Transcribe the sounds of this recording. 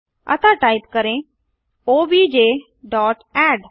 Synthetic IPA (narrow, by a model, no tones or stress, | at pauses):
ə̰t̪ãːʈaːip̚kəɾẽː | oːbiːd͡ʒeː | ɖɔːʈɛːɖ